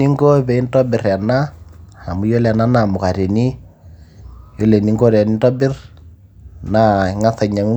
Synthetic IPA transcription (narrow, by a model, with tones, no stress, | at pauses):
i˦ŋɡo˦βɛ˨i˦ntɔ˦bɪ˨ɾɛ˨na˦ha˨mu˨˦jo˦lɛ˨na˦na˨mʊ˨ka˨ɾe˨ni˦ | jo˦le˨ni˦ŋɡo˦ɾɛ˨ni˦ntɔ˦bɪ˦r | na˨ŋa˦θa˨ɲa˨ŋu˦